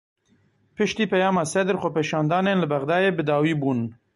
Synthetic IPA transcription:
pɨʃt̪iːpɛjɑːmɑːsɛd̪ɾxopeʃɑːnd̪ɑːneːnlɨbæɣd̪ɑːjeːbɨd̪ɑːwiːbuːn

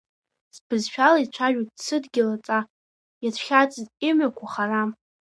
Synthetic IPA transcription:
sbʰɨzʃᶣalait͡ɕʷʰaʒᶣutʼsɨdɡʲɪlat͡sʼa | jatʷʰχʲat͡sʼɨzimakʷʰaχara

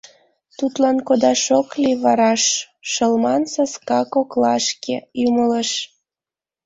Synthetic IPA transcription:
t̪ut̪lɑnkod̪ɑʃokliβɑɾɑʃ | ʃəlmɑnsɑskɑkoklɑʃkeymələʃ

